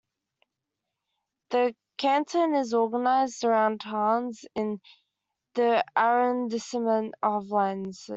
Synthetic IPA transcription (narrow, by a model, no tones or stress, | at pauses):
ðə | kʰãntʰə̃nɪzɔːɡənaɪzdəɹãʊ̃nd̥ɦɑːnzɪ̃n | ðiʔaɹə̃ndɪsəmə̃nəvlãɪ̃nz̥